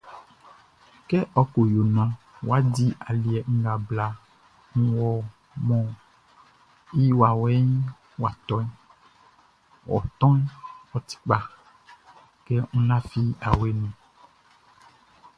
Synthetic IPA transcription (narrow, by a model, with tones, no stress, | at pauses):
kɛ˦ʔɔ˦ko˨jo˨nã˨ | wa˦di˦ʔa˨li˨ɛ˨ŋ̩˦ɡa˨bla˨ | ŋũ˦wɔ˨ | mɔ̃˨ | i˦wa˨wɛ˦ɲ˦ | wa˨t̪ɔ˦n˦ | wʔɔ̰˨t̪ɔ̃˦nwɔ˨t̪i̥˦k͡pa˨ | kɛ˦ŋũ˦la˦fi˦a˨we˦nũ˨